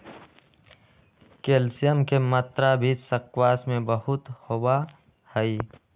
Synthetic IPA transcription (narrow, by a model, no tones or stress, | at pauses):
keːlsijəmkemət̪ɾabʱisəkwaːsmẽbəhʊt̪hoba | həi